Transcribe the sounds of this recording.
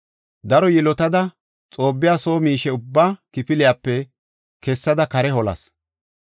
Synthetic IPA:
d̪ɐɾɔjɪlɔt̪ɐd̪ɐ | t͡sʼo̞ːbːɪjaːso̞ːmiːʃɛʊbːaːkɪpɪlɪjaːpːɛ | kɛsːɐd̪ɐkɐɾɛhɔlɐ̰s

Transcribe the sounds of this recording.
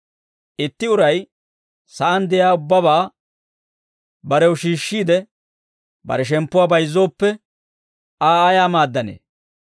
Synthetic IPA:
ʔɪt̪ːɪʊɾɐj | sɐʔɐnd̪ɛjaːʊbːɐβaː | bɐɾɛwʊʃiːʃːiːd̪ɛ | bɐ̰ɾɛʃ̬ɛmpːʊwaːbɐjzːo̞ːpːɛ | aːajaːmaːd̪ːɐnḛː

